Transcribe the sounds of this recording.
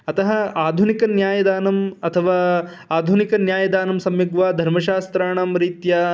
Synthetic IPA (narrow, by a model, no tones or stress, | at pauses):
ɐt̪ɐɦɐaːd̪ʱunikɐnjaːjɐd̪aːnɐmɐt̪ʰɐʋaː | aːd̪ʱunikɐnjaːjɐd̪aːnɐmsɐmjɐɡʋaːd̪ʱɐɾmɐʃaːst̪ɾaːɳɐmɾiːt̪jɐ